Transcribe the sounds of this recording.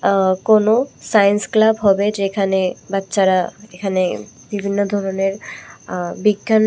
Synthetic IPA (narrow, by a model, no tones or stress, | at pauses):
konosajensklabɦɔbed͡ʑekʰanebatːʃaɾaekʰane | bibʱinːod̪ʱɔɾoneɾ | biɡːan